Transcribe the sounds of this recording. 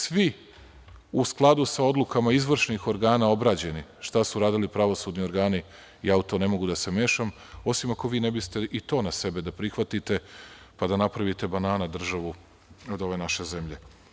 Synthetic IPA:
sʋi | usklˠad̪usao̞d̪lukamaizʋr̩ʃnixo̞ɾɡaːnao̞bɾaːd͡ʑe̞niʃt̪asuɾaːd̪ilipɾaʋo̞suːd̪nio̞ɾɡaːni | iaut̪o̞ne̞mo̞ɡud̪ase̞me̞ːʃam | o̞simako̞ʋiːnebist̪e̞ʔit̪o̞ːnase̞be̞d̪apɾixʋat̪it̪e̞ | pad̪anapɾaʋit̪e̞banaːnad̪r̩ʒaʋu | od̪o̞ʋe̞naʃe̞ze̞mʎe̞

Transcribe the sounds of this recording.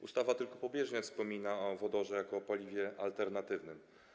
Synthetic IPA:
ust̪avat̪ɘlkɔpɔbʲjɛʐɲɛfspɔmʲinaɔvɔd̪ɔʐɛjakɔːpalʲivʲjɛʔa̰lt̪ɛɾnat̪ɘvnɘm

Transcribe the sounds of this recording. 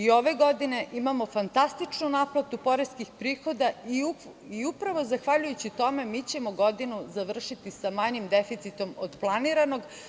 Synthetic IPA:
io̞ʋe̞ɡo̞d̪ine̞ʔimamo̞fant̪ast̪it͡ʃnunaplˠat̪upo̞ɾeskixpɾiːxo̞d̪aiu | iupɾaʋo̞zaxʋaʎujut͡ɕit̪o̞me̞mit͡ɕe̞moɡo̞d̪inuzaʋr̩ʃit̪isamaɲimd̪efit̪sit̪o̞mod̪plˠaniːɾano̞ɡ

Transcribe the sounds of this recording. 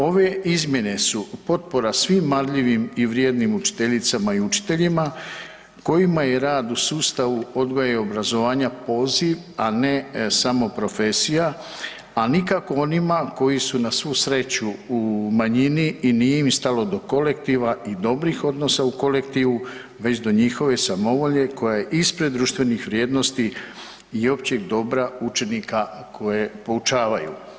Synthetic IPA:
o̞ʋe̞izmje̞ne̞supo̞t̪̚po̞ɾasʋiːmːad̪ʎiʋimiʋɾjed̪nimut͡ʃi̥t̪e̞ʎit̪samaiut͡ʃi̥t̪e̞ʎima | ko̞jimaje̞ɾaːd̪usuːst̪aʋuo̞d̪ɡojaeo̞bɾazo̞ʋaːɲapo̞ːziʋ | anesamo̞pɾo̞fe̞sija | anikako̞o̞nimako̞jisunasʋuːsɾe̞t͡ɕuumaɲiniːniːjeimst̪alo̞d̪o̞ko̞le̞kt̪iʋaid̪o̞bɾixo̞d̪no̞sauko̞le̞kt̪iːʋu | ʋe̞t͡ɕd̪o̞ɲixo̞ʋe̞samo̞ʋo̞ʎe̞ko̞jajeʔispɾe̞d̪ːɾuːʃt̪ʋe̞nixʋɾjeːd̪no̞st̪i | io̞pt͡ɕeɡd̪o̞bɾaut͡ʃe̞nikakʰo̞je̞po̞ut͡ʃaːʋajṵ

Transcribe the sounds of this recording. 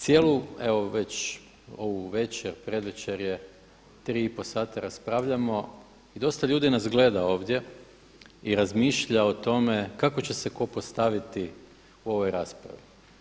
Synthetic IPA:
t̪sjelue̞ʋo̞ʋe̞t͡ɕ | o̞ʋuʋe̞t͡ɕeɾpɾe̞d̪ʋet͡ɕeɾje̞ | t̪ɾiːipo̞saːt̪aɾaspɾaːʋʎamo̞ | id̪o̞st̪aʎuːd̪inazɡle̞d̪ao̞ːʋd̪je̞ | iɾazmiːʃʎao̞t̪o̞me̞kako̞t͡ɕe̞seko̞post̪aʋit̪i | uo̞ʋo̞jɾaːspɾa̰ʋi

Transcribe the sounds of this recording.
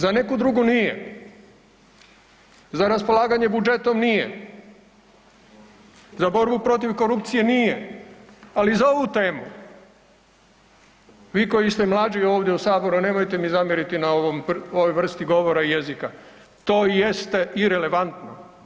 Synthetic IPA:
zane̞kud̪ɾuɡunijḛ | zaɾaspo̞lˠaːɡaɲe̞bud͡ʒe̞t̪o̞mnijḛ | zabo̞ɾbupɾo̞t̪̬iʋko̞ɾupt̪sije̞nije | alizao̞ʋut̪e̞ːmu | ʋiːko̞jist̪e̞mlˠaːd͡ʒio̞ːʋd̪jeusaːbo̞ɾune̞mojt̪e̞mizamjeɾit̪inaoʋomoʋo̞jʋr̩st̪iɡo̞ʋo̞ɾaije̞zika | t̪o̞ːjest̪eiɾe̞le̞ʋant̪no̞̰

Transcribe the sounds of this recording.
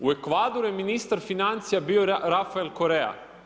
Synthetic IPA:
uekʋad̪oɾujeminist̪aɾfinant̪sijabioɾafaelkoɾeja̰

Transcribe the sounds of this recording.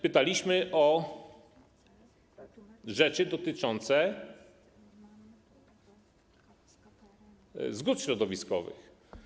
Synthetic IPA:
pɘt̪alʲiɕmɘʔɔ | ʐɛt͡ʂɘd̪ɔt̪ɘt͡ʂɔnt̪sɛ | zɡut̪ɕɾɔd̪ɔvʲiskɔ̰vɘ̰x

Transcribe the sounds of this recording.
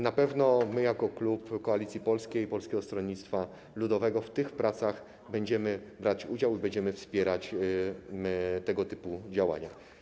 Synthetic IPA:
napɛvnɔmɘjakɔklupkɔalʲit̪sʲjipɔlskʲejpɔlskʲɛɡɔst̪ɾɔnɲːit̪st̪fa | lud̪ɔvɛɡɔft̪ɘxpɾat̪saɣ | bɛɲd͡ʑɛmɘbɾat͡ɕud͡ʑawibɛɲd͡ʑɛmɘfspʲjɛɾat͡ɕ | t̪ɛɡɔt̪ɘpud͡ʑawa̰ɲa̰

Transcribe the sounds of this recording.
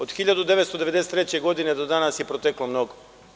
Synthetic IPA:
od̪xiʎad̪ud̪eʋet̪st̪od̪eed̪eset̪ːɾet͡ɕeɡod̪ined̪od̪anasjepɾot̪eklˠomnoɡo

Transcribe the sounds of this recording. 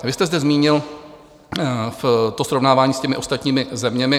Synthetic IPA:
vɪst̪ɛzdɛzmiːɲɪl | ft̪o̞sɾovnaːvaːɲiːscɛmɪʔost̪at̪ɲiːmɪzɛmɲɛmɪ

